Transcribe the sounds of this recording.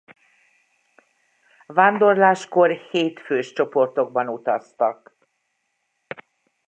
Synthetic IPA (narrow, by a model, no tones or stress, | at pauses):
vaːnd̪o̞rlaːʃko̞rheːt̪føːʃt͡ʃo̞po̞rt̪o̞ɡ̚bɒnut̪ɒst̪ɒk